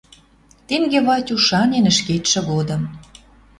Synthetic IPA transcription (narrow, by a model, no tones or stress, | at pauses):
t̪eŋɡeβɑtʲuʃɑnʲenə̆ʃket̪ʃĕɣod̪ə̆m